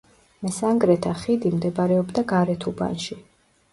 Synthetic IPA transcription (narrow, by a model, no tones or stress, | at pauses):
mɛsaŋɡɾɛt̪ʰaχid̪imd̪ɛbaɾɛɔbd̪aɡaɾɛt̪ʰuba̰nʃi